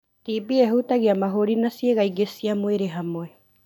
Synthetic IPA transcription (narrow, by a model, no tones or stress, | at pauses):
t̪ibieɦut̪aɡiamaɦoɾinasieɡaiɡesiamoeɾeɦamoe